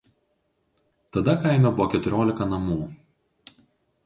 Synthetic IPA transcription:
t̪ɐd̪ɐkɐɪnʲobʊʋɔkʲɛt̪ʊɾʲoːlʲɪkɐnɐmuː

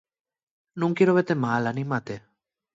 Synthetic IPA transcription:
nũŋkjeɾoβet̪emalanĩmat̪e

